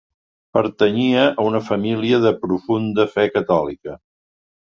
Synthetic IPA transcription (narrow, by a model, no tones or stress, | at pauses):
pəɾt̪əɲiəʔəunəfəmiliəðəpɾufund̪əfɛkət̪ɔlikə